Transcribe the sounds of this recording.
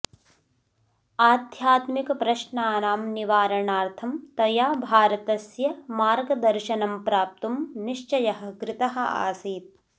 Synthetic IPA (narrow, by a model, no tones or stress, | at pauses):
aːd̪ʱjaːt̪mikɐpɾɐʃnaːnaːmniʋaːɾɐɳaːɾt̪ʰɐmt̪ɐjaːbʱaːɾɐt̪ɐsjɐmaːɾɡɐd̪ɐɾʃɐnɐmpɾaːp̚t̪umniʃt͡ʃɐjɐɦɐ̆ɡɾɪt̪ɐɦɐ̆a̰ːsiːt̪̚